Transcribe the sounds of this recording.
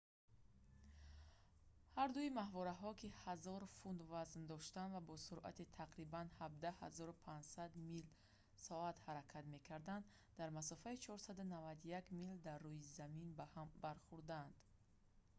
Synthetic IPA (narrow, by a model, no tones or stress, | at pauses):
haɾd̪uimahvɔɾaɦɔkʰihazɔɾfund̪vaznd̪ɔʃt̪and̪vabɔsuɾʔa̰t̪it̪ʰaqɾibanhab̚d̪aha̰zɔɾupʰaɲd͡ʒsad̪mil | sɔat̪haɾakʰat̪me̞kʰaɾd̪and̪ːaɾmasɔfait͡ʃʰɔɾsad̪unavad̪jakmild̪arːujizaminbahambaɾχuɾd̪and̪̥